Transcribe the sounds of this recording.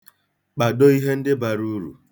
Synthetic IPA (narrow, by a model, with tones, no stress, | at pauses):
k͡pa˨dɔ˦i˦ɦe˦n̩˦dɪ˦ba˨ɾu˦ɾṵ˨